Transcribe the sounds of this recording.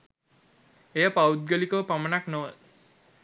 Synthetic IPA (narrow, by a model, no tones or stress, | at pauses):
ejəpawt̪̚ɡəlikəəpamənaknoʋə